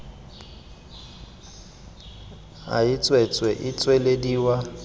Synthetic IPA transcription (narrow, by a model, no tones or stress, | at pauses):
a̰ɪt͡sʼwɛt͡sʼwɛʔɪt͡sʼwɛlediːwa